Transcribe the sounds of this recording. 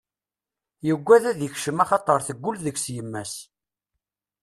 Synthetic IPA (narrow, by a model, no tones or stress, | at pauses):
jəɡʷːæðæðjəçʃəmɑχɑt̪ˤəɾˤθəɡʷːʊlðəçsjəmːæs